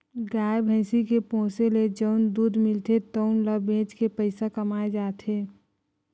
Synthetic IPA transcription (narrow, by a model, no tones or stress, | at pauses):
ɡaːebʱə̃ɪsikepõːseled͡ʒəʊnd̪uːd̪ʱmɪlt̪et̪əʊnləbẽːt͡ʃkepəɪsakəmaːed͡ʒaːt̪ʰɦeː